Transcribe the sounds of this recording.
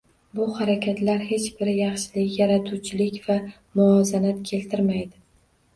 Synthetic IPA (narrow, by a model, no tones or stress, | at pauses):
bʊhaɾakʲʰat̪laɾhe̞t͡ʃbɪɾɪjɑχʃɪlɪkʲjaɾat̪ʰut͡ʃʰɪlɪkʲva | mʊɒzanat̪kʲʰe̞lt̪ʰɪɾmajd̪ɪ